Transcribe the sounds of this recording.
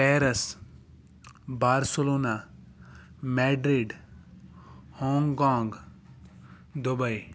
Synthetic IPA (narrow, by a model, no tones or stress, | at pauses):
pɛːɾəs | baːɾsəloːnaː | mɛːɖɾiɖ | hɔ̃ːŋɡkãːŋɡ | d̪ʊbəi